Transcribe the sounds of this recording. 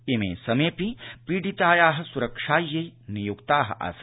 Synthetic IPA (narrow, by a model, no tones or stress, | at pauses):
emḛːsɐmeːpipiːɖit̪aːjaːɦɐ̆suɾɐkʂaːjːenijukt̪aːɦɐ̰ʔɐ̰s